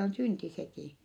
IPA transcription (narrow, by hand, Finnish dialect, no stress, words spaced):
on synti sekiˑ